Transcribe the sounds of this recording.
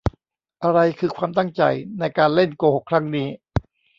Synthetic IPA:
ʔa˧ɾa˧jkʰɯː˧kʰwaː˧mt̪a˥˩ŋt͡ɕa̰˧jna˧jkaː˧nle˥˩nkoː˧ho˨˩kʰɾa˦˥ŋniː˦˥

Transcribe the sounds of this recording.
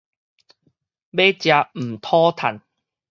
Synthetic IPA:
be˦˥t͡ɕja˧m̩˨˩t̪ʰɔː˦˥t̪ʰa˨˩˦n

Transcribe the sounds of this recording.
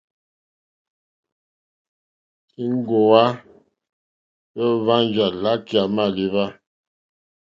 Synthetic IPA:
i˦ŋ̩˦ɡo˨a˦ | pə˦va˦n˦d͡ʒa˨la˦kja˨ma˦˨li˦βa˦

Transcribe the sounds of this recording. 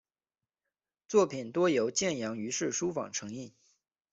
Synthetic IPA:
t͡swɔ˥˩pʰi˨˩nt̪wɔ˥jo˧˥ʊt͡ɕjɛ˥˩njɑ˧˥ŋy˧˥ʂɻ̩˥˩ʂu˥fɑ̰˨˩ŋʈ͡ʂʰɤ˧˥ŋi˥˩

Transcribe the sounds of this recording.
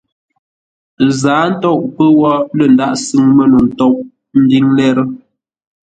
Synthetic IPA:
zaː˨˦n̩˦tɔ˦˨ʔpə˦wɔ˦lə˨n̩˨da˦ʔsɨ˦˨ŋmə˦nu˨n̩˨tɔ˦ʔ̚ | m̩˦di˦ŋlɛ˦ɾə˦

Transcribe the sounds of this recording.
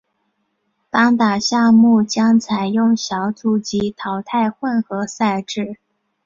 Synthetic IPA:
t̪ɑ˥ŋt̪a˨˩ɕjɑ˥˧mu˥˩t͡ɕjɑ˥ŋt͡sʰa˨˩ɪjʊ˥˩ŋɕjɑ˧˥ʊt͡su˧˩t͡ɕi˧˥t̪ʰɑ˧˩ʊt̪ʰa˥˧ɪxwə˥˩nxɤ˧˥sa˥˧ɪʈ͡ʂɻ̩˥˩

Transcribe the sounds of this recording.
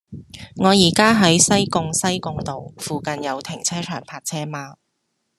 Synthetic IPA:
ŋɔː˨˧jiː˨˩kaː˥ɦɐ˨˥jsɐ˥jkʊ˧ŋsɐ˥jkʊ˧ŋt̪o˨wfuː˨˩kɐ˨njɐ˨˧wt̪ʰɪ˨˩ŋt͡sʰɛː˥t͡ʃʰœː˨˩ŋpʰaː˧k̚t͡sʰɛː˥maː˧

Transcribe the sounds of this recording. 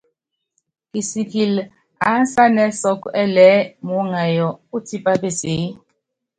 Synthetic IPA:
kʼi˨si˨kʼi˨l | a˨˦sa˦nɛ˦sɔ˦kɔ˦ʔɛ˦lɛ˦mu˨˦ŋa˨jɔ˨u˦tʰi˦pʼa˦pe˨seː˨˦

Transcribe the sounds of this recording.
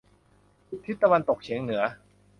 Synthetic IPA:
t̪ʰːi˦˥t̪ːa˧wa˧nt̪o˨˩k̚t͡ɕʰi˩˦əŋnɯ˩˦ɐ

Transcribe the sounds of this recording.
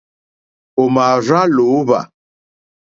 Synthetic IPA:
o˨ma˨ra˦lo˨˦βa̰˨

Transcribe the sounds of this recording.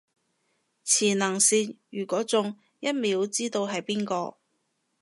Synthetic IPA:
t͡sʰiː˨˩nɐː˨˩ŋsiː˨njyː˨˩kʷɔː˨˥t͡sʊ˨˧ŋ | jɐ˥t̚miː˨˥wt͡siː˥t̪o˧wɦɐ˨jpiː˥nkɔː˧

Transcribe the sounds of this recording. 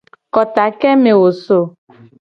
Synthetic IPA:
kɔ˨t̪a˨kɛ˦me˨wo˨so˨

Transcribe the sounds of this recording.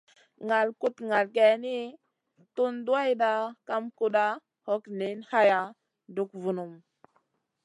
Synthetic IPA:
ŋa˨lku˦tŋa˨lɡe˨ni˦ | tu˦ndu˦a˦jɗa˦ka˦mku˦ɗa˦ | ho˦kni˨˦nha˦ja˦ | du˦kvu˨nu˨m

